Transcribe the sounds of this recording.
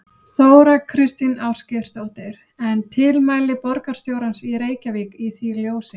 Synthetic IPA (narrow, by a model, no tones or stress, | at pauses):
θoːwɾakʰɾɪst̪inawscɪ̥st̪oːwht̪ɪɾ̥ | ɛnt̪ʰɪlmaːjlɪpɔɾkaɾ̥st̪jowɾansiɾeːjcavikiθviljoːwsɪ